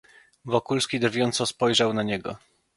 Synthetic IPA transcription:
vɔkulskʲid̪ɾvʲjɔnt̪sɔspɔjʐawnaɲɛɡɔ̰

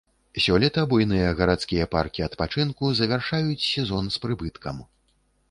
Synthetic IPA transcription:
sʲɔlʲɛt̪ɐbujnɨjɐɣɐɾat̪skʲijɐparkʲiɐt̪pat͡ʂɨnkuzɐvʲarʂajut͡sʲsʲɛzɔnspɾɨbɨt̪kʰɐm

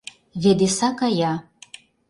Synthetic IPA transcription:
βed̪esɑkɑjɑ

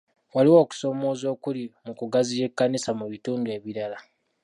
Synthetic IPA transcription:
waliwo̞ːku̥so̞mo̞ːzo̞ːkulimukuɡazije̞kːanisamuβituːndue̞ːβiɾala

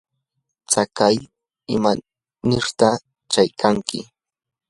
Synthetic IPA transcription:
t͡sakaj | ɪma | nɪɾt̪a | t͡ʃajkʰaŋkɪ̰

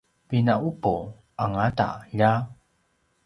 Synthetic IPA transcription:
pinaupu | aŋata̰ʎa

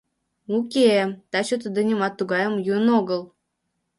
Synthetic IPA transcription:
ukʲet̪ɑt͡ɕot̪ə̆d̪ə̆nʲimɑt̪ːuɡɑjə̆mjunoɡəlˠ

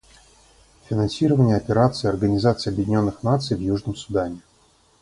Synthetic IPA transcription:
fʲɪnɐnsʲiɾəvənʲɪjəɐpʲɪɾat̪sɨiɐrɡənʲɪzat̪sɨjɐbjɪdʲɪnʲo̞nːɨxnat̪sɨjvjuʐnəmsʊd̪anʲɪ

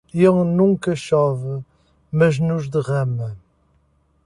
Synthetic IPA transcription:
elˠnũŋkɐʃɔvɨ | mɐʒnuʒðɨʁɐmɐ

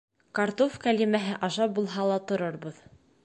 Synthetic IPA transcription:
kɑɾt̪ofkælimæɦɘʔɑʃɑp̚bulˠɦɑlˠɑt̪ŏɾoɾbɤð

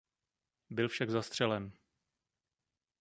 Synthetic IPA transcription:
bɪlfʃaɡzast̪r̝̥ɛlɛn

